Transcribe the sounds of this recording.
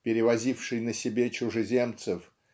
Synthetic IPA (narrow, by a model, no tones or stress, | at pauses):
pʲɪɾʲɪvɐzʲifʂɨjnəsʲɪbʲet͡ɕʊʐɨzʲe̞mt̪sɨf